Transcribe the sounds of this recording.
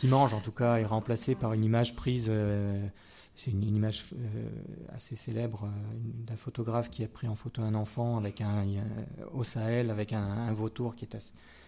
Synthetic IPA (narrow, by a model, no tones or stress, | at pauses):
kʲimɑ̃ʒɑ̃t̪ukaeʁɑ̃plasepaʁynimaʒpχizø | sɛt̪ynynimaʒ̰ | a̰seselɛbʁøynd̪ɛ̃fot̪ɔɡʁafkʲiapχiɑ̃fot̪oɛ̃nɑ̃fɑ̃avɛkɛ̃ | osaɛlavɛkɛ̃ːvot̪uʁkʲiɛt̪ase̥